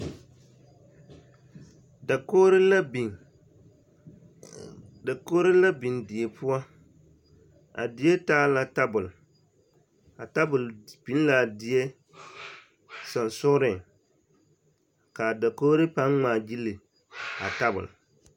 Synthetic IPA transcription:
da˨ko˦ɾɨ˦la˦bi˨ | da˨ko˦ɾɪ˦la˦bi˨ndɪ˨e˨pʊ˦a˦ | a̰˨dɪ˨˦e˦taː˦la˨ta˦bʊ˨l | a˨ta˦bʊ˨lbi˨˦n˦la˨di˨e˦ | sa˨nsʊ˦ɾɪ˦˨ | ka˨da˨koː˦ɾɨ˦pa˦ŋŋ͡maː˨d͡ʒi˦lɨ˨ | a̰˨ta˦bʊ̰˨l

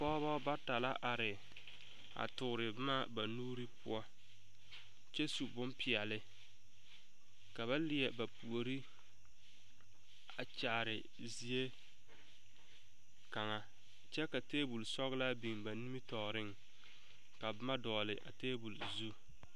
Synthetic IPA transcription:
pɔː˦βɔ˦ba˦ta˨la˦ʔa˨ɾɪ˨ | a̰˨tʊ˨ɾɪ˨bma˦˨ba˨nuː˦ɾi˦pʊ̰˦ɔ˦ | t͡ʃɛ˦su˨bʊ˦mpɪ˨ɛ˨lɪ˦ | ka˨βa˦lɪ˨ɛ˨ba˨pu˨o˨ɾi˦ | a˨t͡ʃa˨ɾɪ˨ | zi˦e˦ | ka˨ŋa˨ | t͡ʃɛ˦ka˨teː˦bu˨lsɔ˦ɣla˦bi˨ŋba˨ni˦mi˦tɔ˨ɾɪ˦ŋ | ka˨bma˦dɔ˨lɪ˨ʔa̰˨teː˦bu˨l | zu˦

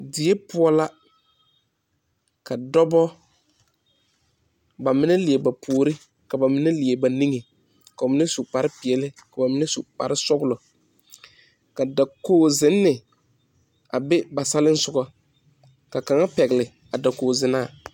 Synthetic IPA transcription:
di˨e˦pʊ˦ɔ˦la˦ | ka˨dɔ˦bɔ˦ | ba˨mɪ˦nɛ˦lɪ˨ɛ˨ba˨pʰuː˨ɾɪ˦ | ka˨ba˨mɪ˦nɛ˦lɪ˨e˨ba˨ni˦ŋe˨ | ka˨ʊ˨mɪ˦nɛ˦su˨k͡pa˨ɾɪ˦pɪ˨ɛ˨lɪ˦ka˨ba˨mɪ˦nɛ˦su˨k͡pa̰˨ɾɪ˦sɔ˦bʊ˦lɔ˨ | ka˨da˨koː˦zɪ˦nːɪ˨ | a̰˨bɪ˦ba˨sa˦lɪ˦n̩˦sʊ˦ɡɔ˦ | ka˨ka˨ŋa˦pɛ˨ɡɪ˨lɪ˨ | a˨da˨koː˨zɪ˨naː˦˨

